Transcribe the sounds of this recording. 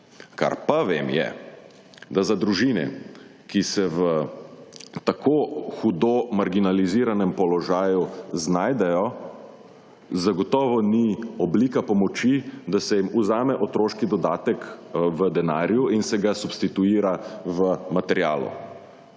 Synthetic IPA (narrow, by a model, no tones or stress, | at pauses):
ka̰ɾpaʋemjɛ̰ | d̪azad̪ɾuʒinɛ̰ | kisɛʋə | t̪akʰoxud̪omaɾɡinaliziːɾanɛmpɔlɔʒaːjuznaːjd̪ɛjɔ | zaɡɔt̪ɔːʋɔniɔblikapɔmɔt͡ʃid̪asɛjimuzaːmɛʔɔt̪ɾoːʃkid̪ɔd̪aːt̪ɛkʋəd̪ɛnaːɾjuinsɛɡasupst̪it̪uiːɾaʋəmat̪ɛɾja̰ːlṵ